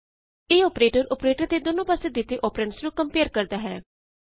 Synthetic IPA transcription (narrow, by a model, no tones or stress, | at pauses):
eːoːpɾeːʈəɾɔːpɾeːʈəɾt̪eːd̪oːnõːpəseːd̪ɪt̪ːeːʔɔːpɾəɳʈsɾũːkəmpeːɾkəɾd̪aːɦɛː